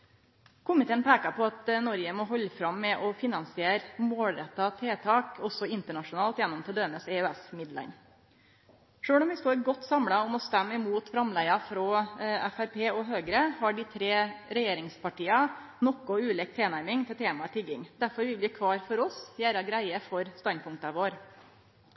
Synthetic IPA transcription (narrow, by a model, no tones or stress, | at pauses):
kʰʊmɪt̪ʰeːnpʰɛːkɑpʰɔɑt̪nɔɾjəmɔɦɔlːəfɾɑmːɛʔɔfɪnɑnsɪeːɾmoːlɾɛt̪ːɑt̪ʰeːt̪ʰɑːkɔsːɔɪnt̪əɳɑʂʊnɑːlt̪jɛnːɔmt̪ʰɪld̪øːnəsɛʉɛsmɪd̪lə̰n | ʂøːɽɔmʋɪst̪oːɾɡɔt̪ːsɑmɽɑɔmɔst̪æmːɪmuːt̪fɾɑmlæɪɑfɾɔæfæɾpʰeːɔɦøːɡɾəhɑɖɪt̪ʰɾeːɾɛjeːɾɪŋspʰɑʈiːɑ | nɔkːʊʉːlɛk̚t̪ʰeːnæɾmɪŋt̪ʰɪlt̪ʰeːmɑt̪ʰɪɡːɪŋd̪æɾfɔɾʋɪlʋɪkʰʋɑːɾfɔɾɔsjæːɾɑɡɾæɪəfɔɾst̪ɑnd̪̚pʰʊŋk̚t̪ɑʋoːɾ